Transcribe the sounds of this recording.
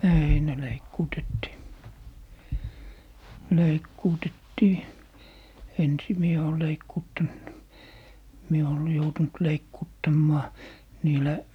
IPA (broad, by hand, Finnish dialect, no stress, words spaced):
ei ne leikːuːtetːiː leikːuːtetːiː ensi mie oː leikːuːtːɑnt mie oːl joutunt leikːuːtːɑmːɑː niːlæ